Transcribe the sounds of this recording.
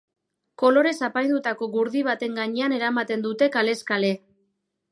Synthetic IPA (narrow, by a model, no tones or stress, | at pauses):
ko̞lo̞ɾe̞sapajnd̪ut̪ako̞ɣuɾðiβ̞at̪e̞ŋɡaɲeane̞ɾamat̪e̞nd̪ut̪e̞kale̞skale̞